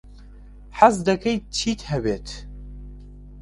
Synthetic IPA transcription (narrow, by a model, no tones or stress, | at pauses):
ħazd̪ɐkʰɐjt͡ʃʰiːt̪ʰhɛbeːt̪ʰ